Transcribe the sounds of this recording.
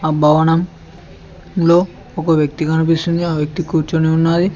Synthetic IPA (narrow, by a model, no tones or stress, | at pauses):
abʱɐʋɐnɐm | loː | ɔkɐʋjɐk̚t̪ikɐnup̬ist̪und̪iaːʋjɐk̚t̪ikuːɾt͡ʃoneunːaːd̪i